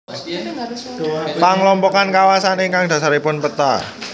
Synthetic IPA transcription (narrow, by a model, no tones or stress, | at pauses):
paŋlɔmpɔkankawasaniŋkaŋd̪̥ä̤saɾipʊnpət̪a